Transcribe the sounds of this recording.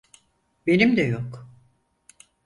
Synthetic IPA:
benimd̪ɛjok

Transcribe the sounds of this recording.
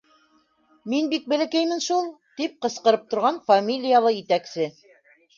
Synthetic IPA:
minbik̚bɘ̆lɘ̆kæjmɘnʃulˠt̪ip̚qɤ̆sqɤ̆ɾɤp̚t̪ŏɾʁɑnfamʲilʲijalˠɤjɘ̆t̪æksɘ

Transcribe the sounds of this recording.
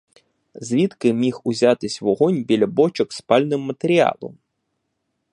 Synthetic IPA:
zʲʋʲit̪kɪmʲixʊzʲat̪ɪsʲʋɔɦɔnʲbʲilʲɐbɔt͡ʃɔkspɑlʲnɪmːɐt̪eɾʲiɑ̰lˠɔ̰m

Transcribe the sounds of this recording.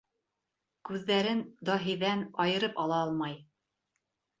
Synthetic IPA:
kʉðːæɾɘnd̪ɑɦĭjðænɑjɤ̆ɾɤpɑlˠɑɑlˠmɑj

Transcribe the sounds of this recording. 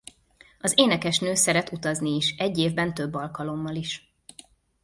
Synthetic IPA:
ɒzeːnɛkɛʃnøːsɛɾɛt̪ut̪ɒzniːʃɛɟːeːvbɛnt̪øbːɒlkɒlo̞mːɒliʃ

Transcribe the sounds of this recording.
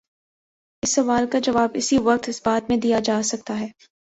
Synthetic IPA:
ɪsːɐʋaːlkad͡ʒɐʋaːbɪsiʋɐk̚t̪ɪsbaːt̪mẽd̪ijad͡ʒaːsɐk̚t̪aɦɛː

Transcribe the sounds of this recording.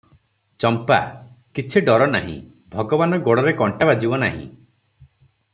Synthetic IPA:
t͡ʃɔmpa̰ | kit͡ʃʰiɖɔɾɔna̰ɦḭ̃ | bʱɔɡɔbanɔɡoɽɔɾekɔɳʈabad͡ʒibɔnaɦḭ̃

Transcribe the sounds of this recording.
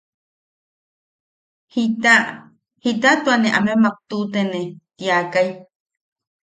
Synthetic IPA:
hit̪a | hit̪at̪uanẽʔanũemak̚t̪ut̪enet̪iakaj

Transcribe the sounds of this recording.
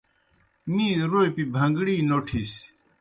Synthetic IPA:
mĩːɾojpibʱɐ̃ŋɡɽiːnoːʈʰis

